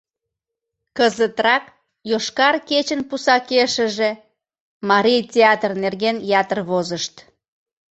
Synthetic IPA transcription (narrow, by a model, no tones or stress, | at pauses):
kəzət̪rɑk | joʃkɑrket͡ɕənpusɑkeʃəʒe | mɑɾʲijtʲeɑt̪rnerɣenjɑt̪ərβozəʃt̪